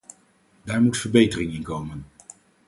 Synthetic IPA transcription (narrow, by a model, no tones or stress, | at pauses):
daːɹmutfəɹbejtərɪŋɪnkowmən